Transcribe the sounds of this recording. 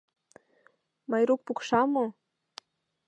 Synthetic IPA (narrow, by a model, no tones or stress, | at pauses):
mɑjɾuk̚pukʃɑmo